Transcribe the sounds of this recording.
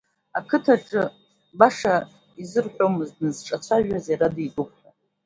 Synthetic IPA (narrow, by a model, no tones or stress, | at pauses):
a̰kʰɨtʰaʈ͡ʂʼɨ | baʂa | izɨrħʷᶣomɨzdnɨzʈ͡ʂʼat͡sʷʰaʒᶣazaɾadiʔʼupʰʼa